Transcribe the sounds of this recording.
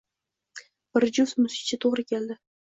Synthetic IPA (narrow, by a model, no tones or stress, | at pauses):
b̥ɪɾd͡ʒʊsmʊsɪ̥t͡ʃʰɪt̪ʰoʁɾɪkʲʰe̞ld̪ɪ